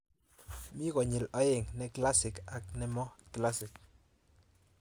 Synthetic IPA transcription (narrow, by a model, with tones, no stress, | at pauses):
mɪ˦kɔ˨ɲɪ˨lɔ˨˦ɪ˨ŋnɛ˦kla˦sɪ˨ka˨k̚nɛ˦mɔ˦kla˦sɪ˨k